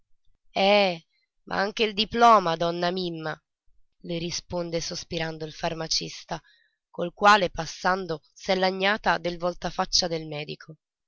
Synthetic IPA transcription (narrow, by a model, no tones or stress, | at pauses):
ɛ | mʔa̰aŋk̟eild̪iplɔːmad̪ɔnːamimːa | leɾispond̪esospiɾand̪oilfarmat͡ʃist̪a | kolkwaːlepasːand̪o | sɛlːaɲːaːt̪ad̪elvɔlt̪afat͡ʃːad̪elmɛːd̪ikʰo